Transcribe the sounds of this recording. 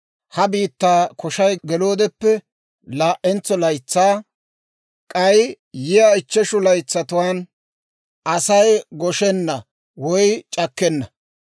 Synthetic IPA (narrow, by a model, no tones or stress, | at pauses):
hɐbiːt̪ːaːkʰɔʃɐjɡɛloːd̪ɛpːɛ | laːʔɛnt͡sːɔlɐjt͡sːaː | kʼɐj | jɪjaɪt͡ʃːɛʃʊlɐjt͡sːɐt̪ʊwaːn | ʔɐsɐjɡɔʃɛnːɐ | wɔjt͡ʃʼɐkːɛnːɐ